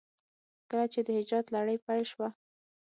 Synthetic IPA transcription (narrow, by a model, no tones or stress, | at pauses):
kəlat͡ʃed̪əhɪd͡ʒɑd̪laɽəjpajlʃwa